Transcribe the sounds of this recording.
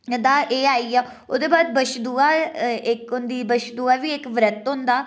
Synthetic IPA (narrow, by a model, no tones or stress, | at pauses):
d̪aːʔeːaːiːaː | ʊd̪eːbaːd̪̚bəʃd̪uːaːɪkʊnd̪iːbəʃd̪uːaːʋiːɪkʋɾət̪ɦʊ̃nd̪aː